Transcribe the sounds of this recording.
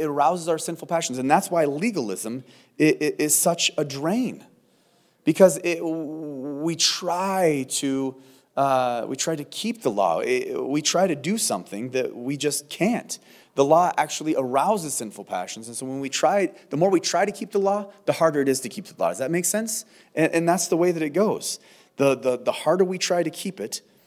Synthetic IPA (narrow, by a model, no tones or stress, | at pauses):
ɨɾə˞aʊzəzaʊə˞sɪ̃nfl̩ˠpʰæʃn̩zɨ̃nðætswaɪliɡl̩ˠɪ̰zə̃m | ɪʔʔɪz̥sʌt͡ʃədɹẽɪ̃n | b̥ɨkʰʌzɪ | witʰɹ̥aɪɾɨ | wḭtʰɹ̥aɪɾɨkʰip̚ðəlɔ̰ɪ̰witʰɹ̥aɪɾɨdɨsʌ̰̃mθɪ̰̃ŋðɨ̰ʔ̚wid͡ʒʌskʰæ̃n | ðəlɔʔæk̚t͡ʃul̩ˠiʔə˞aʊzɨz̥sɪ̃nfl̩ˠpʰæ̰ʃn̩zɨ̃nsoʊwə̃nwitʰɹ̥aɪðəmɔɹwitʰɹ̥aɪɾɨkʰip̚ðəlɔðəhɑɹɾə˞ɨɾɨz̥tʰɨkʰip̚ðəlɔ̰dʌzðɨt̚meɪksɛ̃ns | ʔɨ̃ʔɨ̃nðætsðəweɪðɨɾɨt̚ɡ̥oʊz̥ | ðəðəðəhɑɹɾə˞witʰɹ̥aɪɾɨkʰipɨt